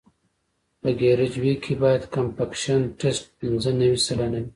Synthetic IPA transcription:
pəɡeɾɪd͡ʒwikʰebɑjad̪kampakʃanʈesʈ̚pinzənɐwisalanawi

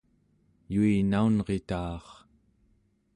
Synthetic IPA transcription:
juinaunʁe̞t̪ɑːχ

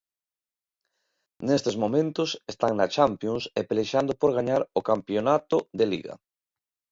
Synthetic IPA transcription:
nest̪ezmomẽnt̪ʊsest̪aŋnɐt͡ʃampjoŋsepeleʃand̪ʊpoɾɣ̞aɲaɾokampjonat̪ʊðelḭɣɐ̰

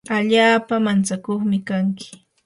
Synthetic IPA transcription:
aʎaːpamant͡sakoχmɪkaŋkɪ̥

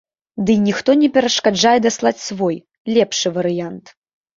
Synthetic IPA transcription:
d̪ɨnʲixt̪ɔnʲɛpʲɛɾɐʂkad͡ʐajɛd̪aslˠat͡sʲsvɔj | lʲɛpʂɨvɐɾɨjant̪

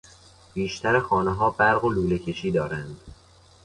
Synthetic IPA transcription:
b̥iːʃt̪ʰæɾexɒːneɦɒːbæɾɣoluːlecʰe̞ʃiːd̪ɒːɾænd̪

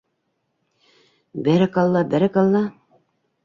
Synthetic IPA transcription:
bæɾɘkɑlˠːɑbæɾɘkɑlˠːɑ

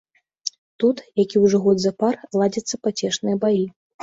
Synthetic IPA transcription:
t̪ut̪jakʲiwʐɔɣɔd̪zɐparlˠad͡zʲɐt̪sːɐpat͡sʲɛʂnɨjɐbaji

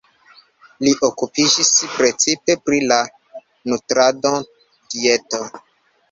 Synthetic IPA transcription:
liʔokupid͡ʒispɾet͡sipe̞pɾila | nutɾado | dieto

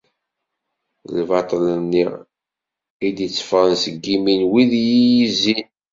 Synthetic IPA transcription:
lvɑt̪ˤlənːiʁ | id̪it͡sːfʁənsəɡːiminwiðjijizin

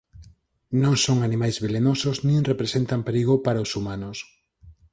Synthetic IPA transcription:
nõŋsoŋanimajzβelenosoznĩŋrepɾesent̪ampeɾiɣopaɾaʊsumanʊs

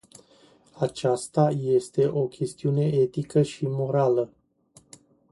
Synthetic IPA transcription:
at͡ʃast̪aje̞st̪e̞ʔo̞kʲʰe̞st̪iune̞e̞t̪ikəʃimo̞ɾalə

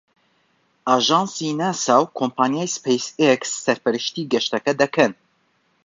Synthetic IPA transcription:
ɑːʒɑːnsiːnɛsɑwkʰompʰaːnijaːjspʰɛjseksːɛɾpɛɾɨʃt̪iːɡɛʃt̪ɛkɛd̪ɛkʰɛn

